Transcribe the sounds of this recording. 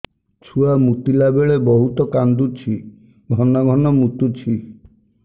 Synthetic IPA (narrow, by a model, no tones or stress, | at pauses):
t͡ʃʰuamut̪ilabeɭebɔɦut̪ɔkand̪ut͡ʃʰi | ɡʱɔnaɡʱɔnɔmut̪ut͡ʃʰi